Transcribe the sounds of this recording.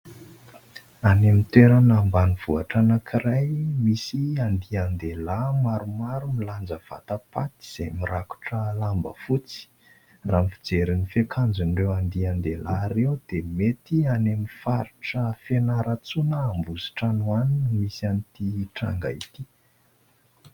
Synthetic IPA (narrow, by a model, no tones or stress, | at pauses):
anemit̪eɾanambaniv̥uaʈ͡ʂanakʰirajmisiand̪iand̪elamaɾumaɾumiland͡zəv̥a̰t̪apat̪i̥z̥emiɾaku̥ʈ͡ʂəlambə̰fut͡si̥ | raːmfid͡zeɾinifekʰand͡zunɖ͡ʐewand̪iand̪elaɾewd̪̥emet̪ianemifaɾiʈ͡ʂəfenaɾat͡sunəːmbuzi̥ʈ͡ʂanwanimisanit̪iʈ͡ʂa̰ŋɡa̰it̪i